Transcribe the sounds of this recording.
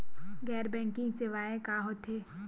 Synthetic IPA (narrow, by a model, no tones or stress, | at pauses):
ɡɛːɾbɛ̃ːŋkɪ̃ŋɡseʋaːekaːɦot̪eː